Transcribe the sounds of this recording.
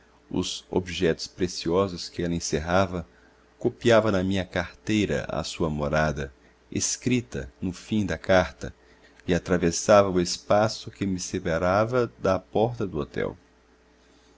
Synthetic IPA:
ʊ̰zo̰biʒɛt̪ʊ̥spɾesiɔzʊskɪɛlɐẽseɦavɐ | kopiavɐnɐmĩɲɐkaɾt̪ejɾɐ̰ɐ̰suɐmoɾad̪ɐ | ḛskɾit̪ɐ̰nʊfĩd̪ɐkaɾt̪ɐ | ɪat̪ɾavesavɐʊespasʊkɪmɪsepaɾavɐd̪ɐpɔɾt̪ɐd̪ʊot̪ɛ̰w

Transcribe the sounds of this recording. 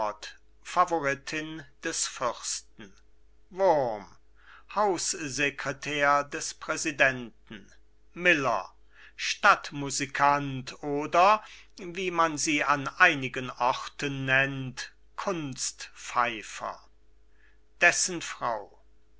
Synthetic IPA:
t | favoʁɪtʰɪnd̥ɛsfʏʁstn̩ | vʊɐm | haʊszekʁ̥ɛtʰɛːɐdɛspʁ̥ɛzidɛntn̩ | mɪlɐ̰ | ʃtatmuzikʰantʰoːdɐ | viːmanziːanʔaɪnɪɡənʔɔʁtənːɛnt | kʰʊnstfaɪfɐ̰ | d̥ɛsənfʁ̥aʊ

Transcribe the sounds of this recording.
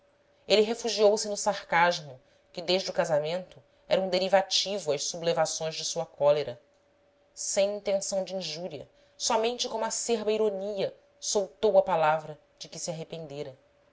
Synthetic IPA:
elɪɦefuʒiowsɪnʊsaɾkaʒmʊ | kɪd̪eʒd͡ʒɪʊkazamẽnt̪ʊ | ɛ̰ɾɐũd̪eɾivat͡ʃivʊɐssublevasõj̃zd͡ʒɪsuɐkɔleɾɐ | sẽj̃ĩnt̪ẽsɐ̃w̃d͡ʒɪĩʒuɾiɐ̰ | sɔmẽnt͡ʃɪkõmʊɐseɾbɐiɾoniɐ | sowt̪owɐpalavɾɐ | d͡ʒɪkɪsiaɦepẽnd̪eɾɐ

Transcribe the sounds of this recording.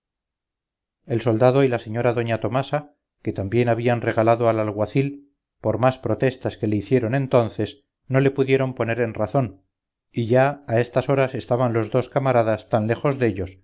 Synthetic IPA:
e̞lso̞ld̪að̞o̞ilase̞ɲo̞ɾaðo̞ɲat̪o̞masa | ke̞t̪ambje̞naβ̞ianre̞ɣalaðo̞alalɣwaθil | po̞ɾmaspɾo̞t̪e̞st̪aske̞le̞iθje̞ɾo̞ne̞nt̪o̞nθe̞s | no̞le̞puðje̞ɾo̞mpo̞ne̞ɾe̞nraθo̞n | iʝaae̞st̪aso̞ɾase̞st̪aβanlo̞zðo̞skamaɾaðast̪anle̞xo̞zðe̞ʎos

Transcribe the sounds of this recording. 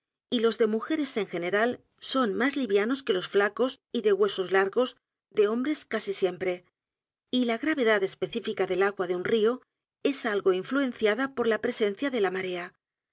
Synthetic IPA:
ilo̞zðe̞muxe̞ɾe̞se̞ŋxe̞ne̞ɾal | so̞nmazliβjano̞ske̞lo̞sflako̞siðe̞ɣwe̞so̞zlaɾɣo̞z | ðe̞o̞mbɾe̞skasisje̞mpɾe̞ | ilaɣɾaβe̞ðaðe̞spe̞θifikaðe̞laɣwaðeunrio̞ | e̞salɣo̞iɱflue̞nθjaðapo̞ɾlapɾe̞se̞n̟θjaðe̞lamaɾe̞a

